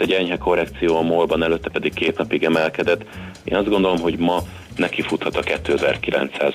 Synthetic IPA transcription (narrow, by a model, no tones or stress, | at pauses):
ɛɟɛɲɦɛko̞rːɛkt̪sijoːɒmolbɒnɛløt̪ːɛpɛd̪ikkeːt̪nɒpiɡɛmɛlkɛd̪ɛt̪ːḛːnɒzd̪ɡo̞nd̪o̞lo̞mɦo̞ɟmɒ | nɛkifut̪hɒt̪ɒkɛt̪ːøːzɛ̰rkilɛ̰nt̪sa̰ːz